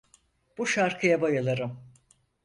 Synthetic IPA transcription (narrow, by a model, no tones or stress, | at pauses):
b̥uʃaɾkʰɯjabajalˠaɾɯm